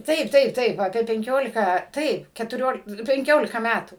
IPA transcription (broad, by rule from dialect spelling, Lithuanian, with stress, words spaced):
ˈtɐɪp ˈtɐɪp ˈtɐɪp ɐpʲiɛ pʲɛŋʲˈkʲoːlʲɪkɑː ˈtɐɪp kʲɛtʊˈrʲoːlʲɪk pʲɛŋʲˈkʲoːlʲɪkɐ ˈmʲætuː